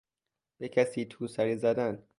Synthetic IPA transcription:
b̥ecʰæsiːt̪ʰuːsæɾiːzæd̪æn

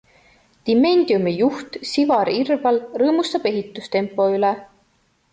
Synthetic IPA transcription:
d̪̥ime̞nʲd̪iumijuht̪sivɑɾirvɑlrɤːmust̪ɑb̥e̞ɦit̪ːˑust̪e̞mpːˑo̞yle

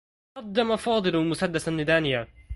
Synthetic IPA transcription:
qɑd̪ːamafɑːd̪ˤɨlmʊsad̪ːasanɪd̪aːnɪja

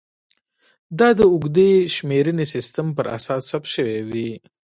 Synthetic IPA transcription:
d̪ɑd̪əʊɡd̪eʃmeɾənesɪst̪əmpəɾa̰sɑsːapʃəwewi

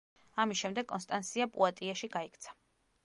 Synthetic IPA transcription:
amisʃɛmd̪ɛɡ̥̚kʼɔnst̪ʼant̪sʰiapʼṵat̪ʼiaʃiɡaikʰt̪sʰḁ

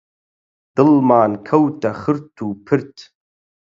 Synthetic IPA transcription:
d̪̥ɨlmaːnkʰɐwtʰʼɐχɨɾt̪ʰːuːpʰɨɾtʰ

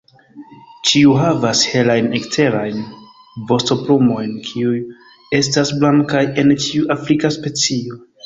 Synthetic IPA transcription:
t͡ʃiuɦavashe̞lajnekte̞ɾajn | bo̞sto̞pɾumo̞jnkʰiuj | e̞s̬tasblaŋkaje̞nt͡ʃiuʔafɾikaspe̞t͡sio̞

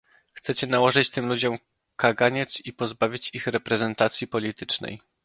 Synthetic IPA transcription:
xt̪sɛt͡ɕɛnawɔʐɘt͡ɕt̪ɘmlud͡ʑɔm | kaɡaɲɛt̪sipɔzbavʲit͡ɕixɾɛpɾɛzɛnt̪at̪sʲjipɔlʲit̪ɘt͡ʂnɛ̰j

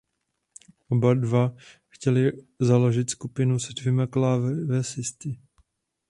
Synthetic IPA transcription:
ʔobadvaxcɛlɪ | zaloʒɪt̪skupɪnusɛdvjɛmaklaːvvɛsɪst̪ɪ

